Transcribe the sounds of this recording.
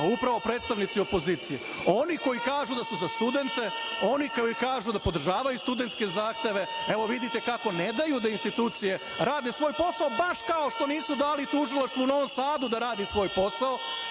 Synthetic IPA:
upɾaʋo̞pɾeːt̪st̪aʋnit̪sio̞po̞ziːt̪sije | o̞niko̞jikaːʒud̪asuzast̪ud̪e̞nt̪e̞o̞nikojikaːʒud̪apo̞d̪r̩ʒaːʋajust̪ud̪e̞nt̪ske̞zaːxt̪e̞ʋe̞eʋo̞ʋid̪it̪e̞kako̞ned̪ajud̪ainst̪it̪uːt̪sije̞ | ɾaːd̪esʋo̞ːjpo̞saobaʃkaoʃt̪o̞niːsud̪aːlit̪uʒilˠaʃt̪ʋouno̞ʋomsaːd̪ud̪aɾaːd̪isʋo̞ːjpo̞sao

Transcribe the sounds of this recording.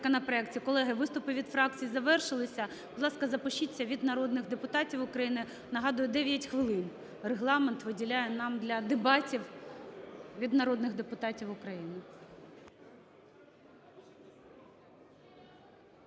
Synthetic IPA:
kɔnɐpɾɔɛkt͡sʲiikɔlˠɛɦɪʋɪst̪ʊpɪʋʲid̪fɾɑk̚t͡sʲijizɐʋɛrʃɪlˠɪsʲɐ | b̥ʊd̪lˠɑskɐzɐpɔʃit͡sʲːɐʋʲid̪nɐɾɔd̪nɪɣd̪epʊt̪ɑtʲiwʊkɾɐjinɪ | nɐɦɑd̪ʊjʊd̪ɛʋʲjɐtʲxʋɪlˠɪn | reɦlˠɑment̪ʋɪdʲilʲajɛnɑmd̪lʲɐd̪ebɑtʲiw | ʋʲid̪nɐɾɔd̪nɪɣd̪epʊt̪ɑtʲiwʊkɾɐjinɪ

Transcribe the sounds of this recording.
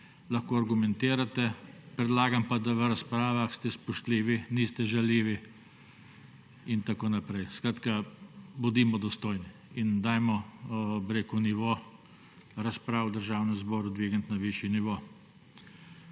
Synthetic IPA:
laxkoːaɾɡumɛnt̪eːɾat̪ɛpɾɛd̪laːɡampad̪aʋəɾaspɾaːʋaxst̪ɛspɔʃt̪liːʋiniːst̪ɛʒaliːʋi | int̪akoːnapɾɛjskɾaːt̪kabʊd̪iːmɔd̪ɔst̪oːjni | ind̪aːjmɔbɪɾeːkuniʋoː | ɾaspɾaːwd̪əɾʒaːwnɛmzbɔːɾud̪ʋiːɡənt̪naʋiʃjɛniʋoː

